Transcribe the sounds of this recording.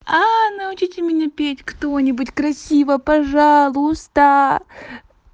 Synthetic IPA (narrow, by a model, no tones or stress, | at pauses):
anɐʊt͡ɕitʲɪmʲɪnʲapʲetʲkt̪o̞nʲɪbʊtʲkɾɐsʲivəpɐʐalˠʊst̪ə